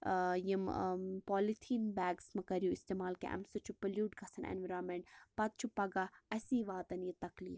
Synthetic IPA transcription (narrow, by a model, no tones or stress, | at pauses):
jimpoːlit̪ʰiːnbɛːɡsmɐkɐɾjuist̪eːmaːlkḛʔɐ̰msɐt͡ʃʰupɐljuːʈ̚ɡɐsɐnʔḛnʋɐɾaːmeɳʈpɐt̪̚t͡ʃʰupɐɡaɐsiːʋaːt̪ɐnjit̪ɐklḭːf